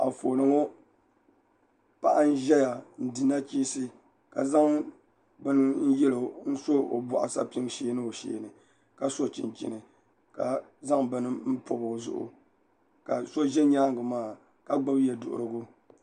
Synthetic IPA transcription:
a̰˨foː˨nɨ˨ŋɔ˦ | pa˦ʔa˦n̩˦ʒɛ˦ja˨n̩˨dɨ˨na˦t͡ʃi˦sɨ˦ | ka̰˨za˦ŋ | bɨ˦nɨ˦n̩˦jɛ˦lo˨n̩˦so˦o̰˨bʊ˨ʔa̰˨sa̰˦pi˦ŋ˦ʃeː˦nɨ˦o˨ʃḛː˨nɨ˨ | ka˨so˦t͡ʃɪ̰˨nt͡ʃḭ˨nɨ˨ | ka˨za˦ŋbɨ˦nɨ˦m̩˦po˨bʊ˨zʊ̰˦ʔʊ̰˨ | ka˨so˦ʒɛ˦ɲa˦ŋɡɨ˨maː˦˨ | ka˨ɡ͡ba˦bjɛ˨dʊ̰˨ʔʊ̰˨ɾɨ˨ɡʊ˦

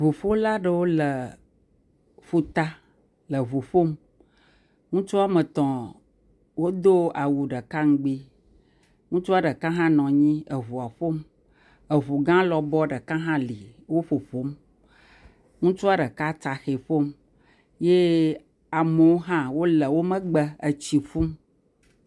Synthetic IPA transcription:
vu˨ɸo˦la˦ɖə˨wo˦lə˨ | fu˦t̪a˦ | lə˨βu˨ɸo˦m | ŋũ˦t͡ʃu˦a˦mə˨t̪ɔ̃˨ | wo˦d̪o˦a˨wu˨ɖə˨ka˦ŋ̩˦ɡ͡bi˦ | ŋũ˦t͡ʃu˦a˦ɖə˨kã˦ɦã˦nɔ̃˨ɲĩ˦ə˨ɦu˨a˨ɸo˦m | ə˨ɦu˨ɡã˦lɔ˨bɔ˦ɖə˨kã˦ɦã˦li˨wo˦ɸo˨ɸo˨˦m | ŋũ˦t͡ʃu˦a˦ɖə˨ka˦t̪a˨xe˨ɸo˦m | je˦ | a˨me˨wo˦ɦã˦wo˦lə˨wo˦mə̃˦ɡ͡bə˦ə˨t͡ɕi˨fu˦m

